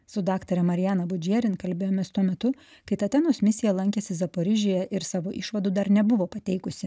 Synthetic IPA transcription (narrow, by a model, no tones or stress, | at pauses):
sʊd̪ɑːkt̪oɾʲɛmɐɾʲɪjæːnɐbʊd͡ʒʲiɛɾʲɪnkɐlʲbʲeːjoːmʲeːst̪uɔmʲɛt̪ʊ | kɐɪt̪ɐt̪ʲɛnoːsmʲɪsʲɪjɛlˠɐŋʲkʲeːsʲɪzɐpoːɾʲɪʒʲoːjɛʔɪɾsɑːʋoːʔɪʃʋɐd̪uːd̪ɐɾnʲɛbʊʋoːpɐt̪ʲɛɪkʊsʲɪ